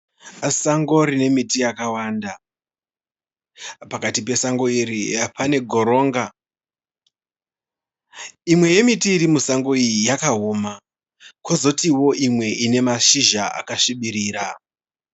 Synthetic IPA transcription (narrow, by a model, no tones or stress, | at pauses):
saŋɡo̞rine̞mitijakawaːnda | pakatipe̞saŋɡo̞iɾipʰane̞ɡʱo̞ɾo̞ːŋɡa | imwe̞je̞mitiːɾimusaŋɡo̞ijijakaɦoːma | kozo̞tiwo̞ʔimwe̞ʔine̞maʃiʒaa̰kaʃiɓiɾiːɾa̰